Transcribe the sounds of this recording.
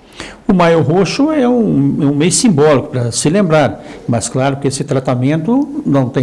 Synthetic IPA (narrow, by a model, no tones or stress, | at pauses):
ʊmajʊɦoʃʊɛũɛũmejʊsĩmbɔlikʊ̥pɾɐsɪlẽmbɾaɾmɐsklaɾʊkɪesɪt̪ɾat̪amẽnt̪ʊnɐ̃w̃t̪ẽ